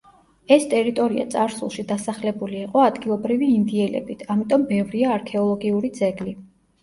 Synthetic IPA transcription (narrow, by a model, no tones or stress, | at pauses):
ɛst̪ʼɛɾit̪ʼɔɾia̰t̪sʼaɾsṵlˠʃid̪asaχlɛbuliːqʼɔad̪ɡilˠɔbɾiviːnd̪iɛlɛ̰bit̪ʰamit̪ʼɔmbɛvɾiaːɾkʰɛɔlˠɔɡiuɾid̪zɛɡli